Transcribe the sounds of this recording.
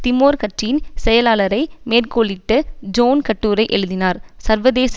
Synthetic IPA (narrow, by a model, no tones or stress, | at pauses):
t̪ɪmoːɾkɐʈrɪjɪnsɛjɐlaːlɐɾɐɪmeːrkoːɭɪʈːɯd͡ʒoːnkɐʈːuːɾɐɪʔɛɻɯðɪnaːɾsɐɾʋɐðeːs